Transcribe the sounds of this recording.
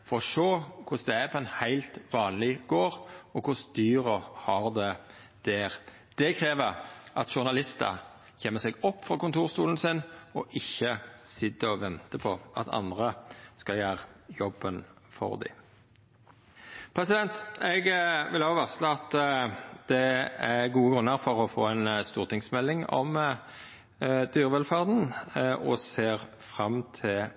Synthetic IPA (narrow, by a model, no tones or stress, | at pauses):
fɔɾɔʂoːkʰʊsd̪ɛæpʰɔɛnhæɪlt̪ʋɑːnlɪɡoːʁɔkʰʊsd̪̥yːʁɔhɑʁd̪ɛ | d̪̥æːʁ | d̪̥ɛkʰɾeːʋəʁʔɑt̪ʃʊʁnɑlɪst̪ə̰ | çeːmːəsɛɡɔpːfʁɑkʊnt̪ʰuːʁstuːln̩sɪnɔʔɪçːəsɪt̪ːəɔʋɛnt̪əpʰɔɑ̰t̪ʰɑ̰nd̪ʁəskɑljæːʁjɔbːən | fɔ̰ʁd̪ɪ̰ | pʰɾɛsɪd̪ɛnt̪ɛɡʋɪlɑːʋɑʁsləɑt̪ | d̪̥ɛæʁɡuːəɡʁʉnːəʁfɔʁɔfoːɛɪnst̪uːʁt̪ɪŋsmɛlːɪŋɔ̰m | d̪̥yːʁəʋɛlfæʁd̪n̩ɔseːʁ | fʁɑmt̪ʰɪl